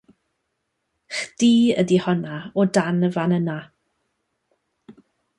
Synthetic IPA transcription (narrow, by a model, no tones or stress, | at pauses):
χdiːə̰dihɔnaɔdanəvanəna